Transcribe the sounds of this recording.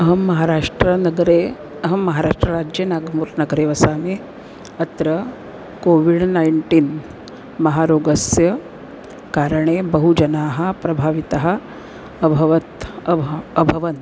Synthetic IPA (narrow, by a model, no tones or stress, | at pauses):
ɐɦɐmːɐɦaːɾaːʂʈɾɐnɐɡɾe | ɐɦɐmːɐɦaːɾaːʂʈɾɐɾaːd͡ʒjɐnaːɡmuːɾnɐɡɐɾeːʋɐsaːme | ɐt̪ɾɐ | koːʋiɽnajɳʈiːn | mɐɦaːɾoːɡɐsjɐ | kaːɾɐɳ̃ebɐɦud͡ʒɐnaːɦɐ̆pɾɐbʱaːʋit̪ɐɦɐ̆ː | bʱɐʋɐt̪ | ɐbʱɐʋɐn